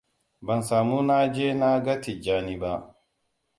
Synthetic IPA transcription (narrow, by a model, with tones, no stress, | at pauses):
bɐ˨nsaː˨muː˦na˦d͡ʒeː˦na˦ɡɐ˦ti˨d͡ʒaː˦niː˦ba˦ʔ